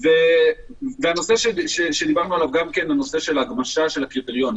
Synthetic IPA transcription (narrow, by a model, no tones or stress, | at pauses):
ve | veano̞se̞ʃeʃeʃed̪ibaʁnualavɡamke̞nlano̞se̞ʃe̞laɡmaʃaʃe̞lhakʁipeʁjo̞n